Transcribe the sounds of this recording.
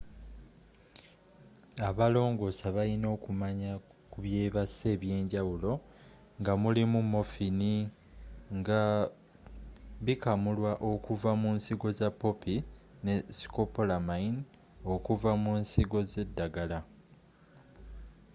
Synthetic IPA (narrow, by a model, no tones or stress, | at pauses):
aβalo̞ːŋɡo̞saβalino̞ːkumaɲa | kuβje̞ːβase̞ːβje̞ːɲɟawulo̞ | ŋɡamulimumːo̞fini | ŋɡa | βikamulwaʔo̞kuvamunsiɡo̞zapːo̞pine̞si̥kopo̞lamain | o̞kuvamunsiɡo̞ze̞dːaɡala